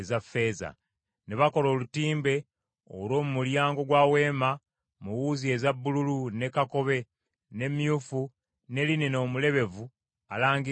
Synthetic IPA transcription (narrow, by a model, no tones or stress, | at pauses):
zafːe̞ːza̰ | neβako̞lo̞ːlutiːmbe̞ | o̰lo̞ːmumuljaːŋɡo̞ɡwaːwe̞ːma | muwuːzie̞zabːululune̞kako̞βe̞ | ne̞mjuːfu | ne̞lineno̞ːmule̞βe̞vu | alaːŋɡi